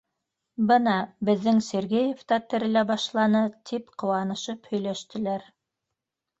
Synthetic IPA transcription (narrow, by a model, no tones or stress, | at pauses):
bɤnɑbɘ̆ðːɘŋsʲeɾɡejeft̪ɑt̪ɘ̆ɾɘ̆læbɑʃlˠɑnɤt̪ʰipqɤ̆wɑnɤ̆ʃɤphɵ̆jlæʃt̪ɘ̆læɾ